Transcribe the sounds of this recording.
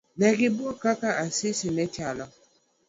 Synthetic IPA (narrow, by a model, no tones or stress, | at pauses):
nɛɡɪbwɔkakaasisinɛt͡ʃala